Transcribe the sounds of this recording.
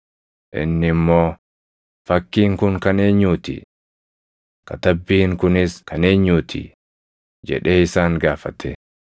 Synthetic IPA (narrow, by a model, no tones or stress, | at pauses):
ʔɪ̰nːɪmːo̞ː | fɐkːiːŋkʊŋkɐne̞ːɲːuːt̪ɪ̰ | kɐt̪ɐbːiːŋkʊnɪskɐne̞ːɲːuːt̪ʰḭ | d͡ʒɛ̰ᶑe̞ːɪsaːŋɡaːfɐt̪ʰɛ